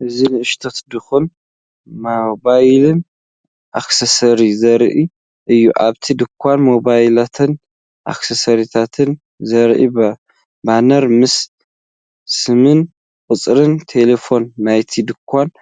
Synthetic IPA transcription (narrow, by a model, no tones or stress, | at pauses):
ʔɨzinɨʔɨʃt̪ʰɐt̪d̪ɨxun | mobajlɨn | ʔaksɐsɐɾizɐɾʔi | ʔɨjːuʔaβt̪ʰid̪ɨkʰʷːanmoβajlat̪ʰɨn | ʔa̰ksɐsɐɾit̪ʰat̪ʰɨn | zɐɾʔḭbɐ | banɐɾmɨs | sɨmɨn | kʼɨt͡sʼɾɨnt̪ʰe̞lefo̞nːajt̪ʰid̪ɨkʰʷːan